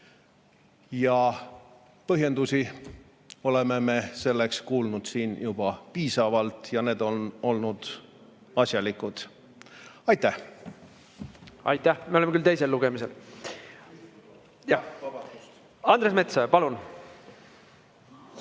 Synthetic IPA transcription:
jɑ | pɤɦje̞nd̪usʲi | o̞le̞me̞me̞se̞lːe̞kskuːlnud̪̥siːnjub̥ɑpiːsɑvɑlt̪ˑjɑne̞ːd̪̥o̞no̞lnud̪̥ | ɑsjɑlikːud̪̥ | ɑjt̪ːˑæh | ɑ̰jt̪ːæhmeolemekylt̪ejse̞lːuɡ̥emise̞l | ɑnd̪ɾesme̞t̪sɑpɑlun

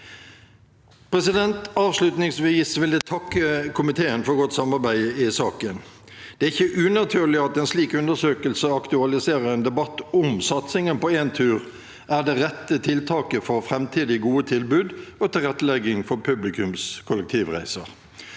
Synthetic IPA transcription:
pʰʁɛsɪd̪ɛnt̪ɑːʋslʉt̪nɪŋsʋiːsʋɪld̪æt̪ʰɑkːəkʰʊmɪt̪ʰeːənfɔɾɡɔt̪sɑmɑɾbæɪɪsɑːkən | d̪̥ɛæɪçəʔʉːnɑt̪ʰyːʁlɪɑt̪ɛːnsliːkʉnd̪əsøːkəlsəɑkt̪ʉɑlɪseːʁəɾɛnd̪ɛbɑt̪ːʊmsɑt̪sɪŋənpɔeːnt̪ʰʉːʁ | ʔæʁd̪ɛʁɛt̪ːət̪ʰɪlt̪ʰɑːkəfɔɾfʁɛmt̪ʰiːd̪ɪɡuːət̪ʰɪlbʉːd̪oːt̪ʰɪlʁɛt̪ːəlɛɡɪŋfɔpʰʉblɪkʉmskʰʊlək̚t̪ʰiːʋʁæ̰ɪsəʁ

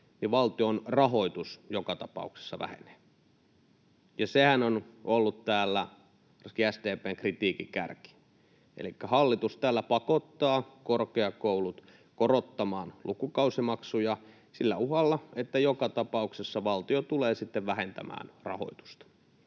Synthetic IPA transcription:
niʋʋɑlt̪ionrɑɦoit̪usjokɑt̪ɑpɑ̰ˑukse̥sːɑ̰ʋæ̰hḛne̥ː | jɑsehænonolːut̪t̪æːlːæ | skiæst̪eːpeːŋkrit̪iːkikæ̰rki̥ | ḛlikːæhɑlːit̪ust̪æːlːæpɑkot̪ːɑːkorkeɑkoulut̪ | korot̪ːɑmɑːnlukukɑusimɑksujɑ | silːæuhɑlːɑet̪ːæjokɑt̪ɑpɑuksesːɑʋɑlt̪iot̪uleːsit̪ːeʋʋæhent̪æ̰mæ̰ːnrɑ̰ho̰it̪u̥st̪ɑ̥

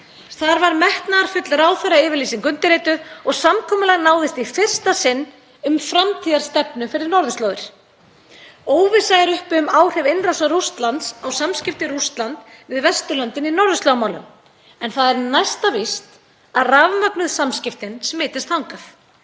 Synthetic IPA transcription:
θaɾvaɾmɛht̪naɾ̥fʏt̪lraːwθɛɾːaɪːvɪɾliːsiŋkʏnt̪ɪɾeːt̪ʏɔɣsamkʰɔːmʏlɛɣnaːwðɪst̪ifɪr̥st̪asɪnː | ʏmfɾamt̪ʰiːðaɾ̥st̪ɛpnʏfɪɾɪɾnɔɾðʏst̪lœːwɣɪɾ̥ | oːwvɪsajðɪɾʏhpʏmaːwr̥ɛvejnrasarust̪lant̪sawsamscɪft̪ɪɾust̪lant̪vɪðvɛst̪ʏlœnt̪ɪninɔɾðʏst̪œɣmaːwlʏ̰m | ɛnθaðɛɾnajst̪avist̪ | aðravmapnʏðsamscɪft̪ɪnsɛmːɪːt̪ɪst̪hawŋkaθ

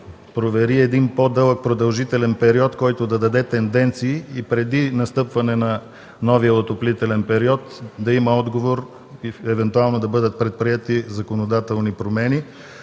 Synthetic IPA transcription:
pɾovɛɾiɛd̪inpod̪ɤlˠək̚pɾod̪ɐlˠʒit̪ɛlɛnpɛɾiɔt̪kɔjt̪od̪ɐd̪ɐd̪ɛt̪ɛnd̪ɛnt̪siːpɾɛd̪inɐst̪ɤpvɐnɛnɐ | nɔvijəot̪oplit̪ɛlɛnpɛɾiɔt̪d̪ɐimɐɔd̪ɡovoɾ | iɛvɛnt̪ualˠnod̪ɐbɤd̪ət̪̚pɾɛt̪̚pɾiɛt̪izɐkonod̪at̪ɛlˠnipɾomɛni

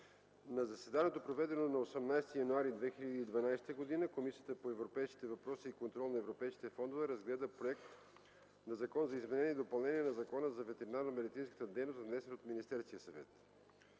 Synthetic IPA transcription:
nɐzɐsɛd̪aniɛt̪opɾovɛd̪ɛnonɐosɛmnajst̪ijɐnuaɾid̪vɛxiʎʲɐd̪iːd̪vɐnajst̪əɡod̪inəkomisijət̪əpoɛvɾopɛjsk̟i̥t̪ɛvɐpɾɔsiːkont̪ɾɔlˠnɐɛvɾopɛjski̥t̪ɛfɔnd̪ovɛɾɐzɡlɛd̪əpɾoɛkt̪ | nɐzɐkɔnzɐizmɛnɛnʲiɛːd̪opɐlˠnɛniɛnɐzɐkɔnəzɐvɛt̪ɛɾinaɾnɐmɛd̪it̪sinskə̥t̪əd̪ɛjnost̪vnɛsɛnot̪minist̪ɛɾskiəsɐvɛ̰t̪

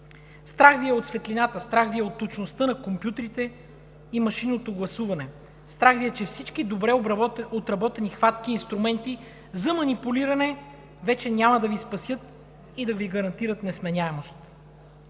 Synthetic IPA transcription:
st̪ɾaxviɛot̪svɛt̪linat̪əst̪ɾaxviɛot̪ːot͡ʃnost̪ɤnɐkompjut̪ɾit̪ɛ | imɐʃinːot̪oɡlˠɐsuvɐnɛ | st̪ɾaxviɛt͡ʃɛfsit͡ʃkid̪obɾɛot̪ɾɐbɔt̪ɛnixvat̪k̟iːnst̪ɾumɛnt̪i | zɐmɐnipuliɾɐnɛ | vɛt͡ʃɛnʲamɐd̪ɐvispɐsʲjɤt̪ | id̪ɐviɡɐɾɐnt̪iɾət̪nɛsmɛnʲaɛmost̪

